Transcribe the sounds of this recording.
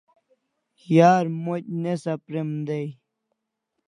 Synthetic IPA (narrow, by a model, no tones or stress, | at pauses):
jaːɾmoc̚nesɐpɾemd̪ej